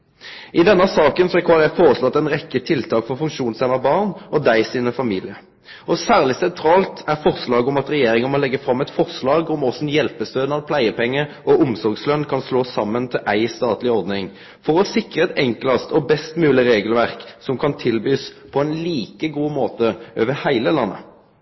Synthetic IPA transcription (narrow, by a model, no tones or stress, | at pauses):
ʔɪd̪ɛnːəsɑːkənsɔɛkʰʋɑːʁjæɪfoːʁəslɔːɑt̪ːɛnʁɛkːət̪ʰɪlt̪ʰɑːkfɔʁfʉŋkʂuːnsɛmɑbɑːʁnɔd̪æɪsiːnəfɑmiːlɪə | ɔsæːʁlɪsɛnt̪ʰɾɑːlt̪æʁfɔʁslɑːɡɔmɑt̪ʁɛjeːʁɪŋəmɔlɛɡːəfʁɑmːɛt̪fɔʁslɑːɡɔmɔsnjɛlpəst̪øːd̪nɑlpʰlæɪəpʰɛŋːəʔɔʊmsɔʁɡslœnkʰɑnsloːsɑmːənt̪ʰɪlʔæɪst̪ɑːt̪lɪɔɾd̪nɪŋ | fɔʁɔsɪkʁəɛt̪ɛŋklɑst̪ɔbɛst̪mʉːlɪʁeːɡəlʋæʁksɔmkʰɑnt̪ʰɪlbyːspʰɔɛnliːkəɡuːmoːt̪əʔøːʋəhæɪləlɑnːə̰